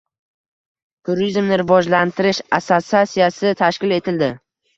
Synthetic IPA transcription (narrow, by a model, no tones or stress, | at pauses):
t̪ʰʊɾizmnɪɾɪvɒd͡ʒlant̪ʰɪɾɪʃasosasijasɪt̪ʰaʃkʲɪle̞t̪ʰɪld̪ɪ